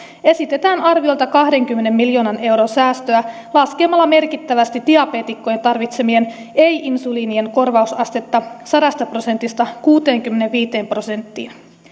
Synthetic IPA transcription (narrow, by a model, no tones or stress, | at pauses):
e̞sit̪e̞t̪æːnɑrʋio̞lt̪ɑkɑhde̞ŋk̟ymːe̞ne̞mːiljo̞ːnɑne̞wɾonsæːst̪øæ | lɑske̞ːmːɑlːɑme̞rkit̪ːæʋæst̪id̥̪iɑpeːt̪ikːo̞jet̪ɑrʋit̪se̞mie̞n | e̞jʔinsuliːnie̞nko̞rʋɑusɑst̪e̞t̪ːɑsɑɾɑst̪ɑpro̞se̞nt̪ːist̪ɑkuːt̪e̞ːŋkymːene̞ʋʋiːt̪e̞ːmpro̞se̞nt̪ːḭːn